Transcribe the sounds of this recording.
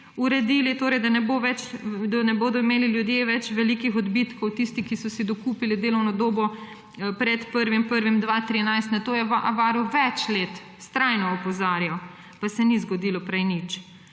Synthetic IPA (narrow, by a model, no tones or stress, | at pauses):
uɾɛd̪iːlit̪oːɾɛjd̪anɛboʋɛt͡ʃd̪anɛboːd̪ɔimeːliljud̪jeʋɛt͡ʃʋɛlikixɔd̪bit̪kɔwt̪ist̪ikisɔsid̪ɔkuːpilid̪eːlɔwnɔd̪oːbɔ | pɾɛt̪pəɾʋimpəɾʋimd̪ʋat̪ɾiɛnajst̪nat̪oːjɛʋaʔaʋaːɾiwʋɛt͡ʃleːt̪ | st̪ɾajnɔɔpɔzaːɾjaw | pasɛnizɡɔd̪iːlɔpɾɛjnit͡ʃ